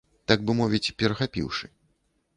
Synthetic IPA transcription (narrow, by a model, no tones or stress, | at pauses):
t̪aɡ̚bɨmɔvʲit͡sʲpʲɛɾɐxapʲḭwʂɨ